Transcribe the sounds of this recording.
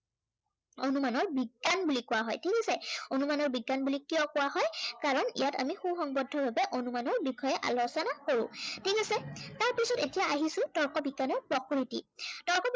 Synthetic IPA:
onumanɔɹbiɡːanbulikʊwaɦɔ̰jtʰikasɛonumanɔɹbiɡːanbulikijɔkʊwaɦɔjkaɹɔnḭjata̰mixuxɔŋbɔdʱːɔɹbabɛʔonumanɔɹbikʰɔjɛʔa̰lɔsɔnakoɹʊ̰̃tʰikasɛtaɹpisɔtetijaaɦisʊ̃tɔɹkɔbiɡːanɔɹpɹɔkuɹitḭtɔɹkɔ

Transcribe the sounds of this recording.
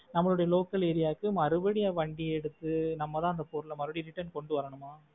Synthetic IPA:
nɐmːɐɭɯɽɐjɐloːkːɐleːɾɪjaːkːɯmɐɾɯbɐɽɪjaːʋɐɳɖiɛɽɯt̪ːɯnɐmːɐt̪ãːɐnd̪ɐpoːɾɯlɐmɐɾɯbɐɽɪɾɪʈːɐɾnkɔɳɖɯʋɐɾɐɳɯmaː

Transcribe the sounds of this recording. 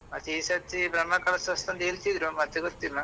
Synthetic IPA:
mɐt̪isɐt̪ːibɾɐmːɐkɐɭɐsʋɐst̪ɐnd̪eːlt̪id̪ɾomɐt̪ːeɡoɾt̪ːimːa

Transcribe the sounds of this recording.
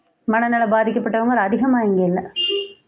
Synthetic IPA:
mɐɳɐnaɭɐbaːd̪ʱikʲːɐpːɐʈːɐʋɐŋɡɐɭɐd̪ʱiɣɐmaːjɐŋɡɐlːɐ

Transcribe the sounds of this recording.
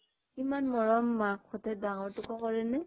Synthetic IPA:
imanmɔɹɔmːakxɔtʰɛt̚daŋɔɹtʊkɔkɔɹɛnɛ

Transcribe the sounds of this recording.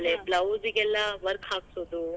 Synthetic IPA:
leblɐwziɡɛlːaʋɐɾkaːksoːd̪u

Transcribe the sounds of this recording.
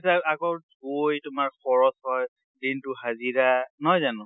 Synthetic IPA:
saakɔɹɡojtʊmaɹxʰɔɹɔshɔj | dintuɦaziɹanɔjzanʊ̃

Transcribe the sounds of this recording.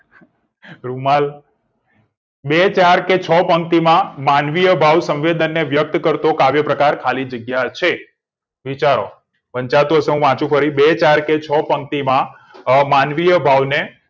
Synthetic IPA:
ɾumal | bet͡ʃaɾket͡ʃʰəpəŋk̚t̪imãmanʋijəbʱaʋsə̃mʋed̪ənːeʋjək̚t̪kəɾt̪okaʋjəpɾəkaɾkʰalid͡ʒəɡjat͡ʃʰe | ʋit͡ʃaɾo | pəɲt͡ʃat̪ũɦəseɦũʋãt͡ʃũpʰəɾibet͡ʃaɾket͡ʃʰəpəŋk̚t̪imã | manʋijəbʱaʋne

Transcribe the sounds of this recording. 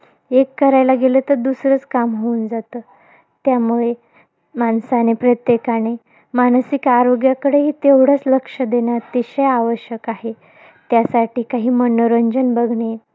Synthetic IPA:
ekːəɾajlaɡelət̪əɾd̪usɾət͡skamɦound͡zat̪əː | t̪jamuɭe | mansanepɾət̪jekane | mansikaɾoɡjakəɽeɦiːt̪ewɽ̤ət͡sləkʂəd̪enjat̪iɕəjaʋəɕjəkaɦe | t̪jasaʈiːkaɦiːmənəɾəɲd͡ʑənbəɡʱɳe

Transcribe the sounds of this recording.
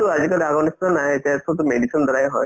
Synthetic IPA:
tuazikɔaɡɔnistɔnaɦetasʰɔtumedisʰɔnd̪ɔɹajɦɔj

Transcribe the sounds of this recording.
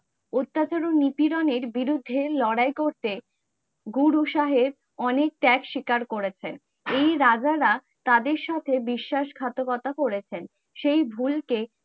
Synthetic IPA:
ot̪ːat͡ɕaɾonipiɾoneɾbiɾud̪ʱːelɔɽajkoɾt̪e | ɡuɾuʃaɦeɾb | ɔnek̚ʈɛkʃikaɾkoɾet͡ɕʰen | ejɾad͡ʑaɾa | t̪ad̪eɾʃat̪ʰebiʃːaʃɡʱat̪okɔt̪akoɾet͡ɕʰen | ʃejbʱulke

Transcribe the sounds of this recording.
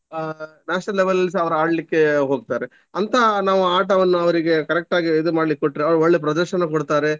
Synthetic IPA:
naːʃnɐlːɛʋɐlɐls̬ɐʋɐɾɐaːɖɐlikːe̞ɦoːɡ̚t̪aːɾe | ɐnt̪ʰɐnaːʋuaːʈɐʋɐnːuɐʋɐɾiɡe̞kɐɾɛk̚ʈaːɡiːd̪umaːɖɐlikːoʈːɾeɐʋɐɾoɭːep̬ɾɐd̪ɐɾʃɐnɐkɔɽt̪aːɾe

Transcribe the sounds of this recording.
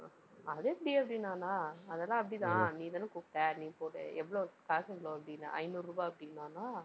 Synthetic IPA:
ɐðeɐpːɐɽiɐpːɐɽinːaːnãːɐðɛlːãːɐp̬ːɐɽit̪ãːniːt̪aːnːɯkuːkʈːẽːniːpoːʈḛʔɛʋːɐɭokaːsɐŋɐɭoːɐpːɐɽɪnːã̰ɐ̰ɪnuːɾɾuːbaːɐpːɐɽɪnːaːnaː

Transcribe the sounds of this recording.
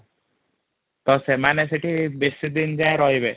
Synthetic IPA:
t̪ɔsemanesiʈibesid̪ind͡ʒaeɾɔɦibe

